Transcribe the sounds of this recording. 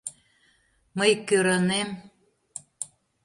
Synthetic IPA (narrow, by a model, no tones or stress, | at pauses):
məjkːøɾɑnem